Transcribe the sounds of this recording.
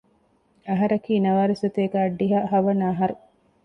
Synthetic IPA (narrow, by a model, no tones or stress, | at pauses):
ɐɦɐɾɐkiːnɐʋaːɾisot̪eːɡaːɖːiɦaːhɐʋɐnaːɦɐɾu